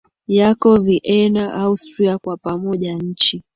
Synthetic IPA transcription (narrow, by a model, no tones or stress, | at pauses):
jakɔviʔɛnaʔaustɾiakwapamɔʄaɲ̩t͡ʃi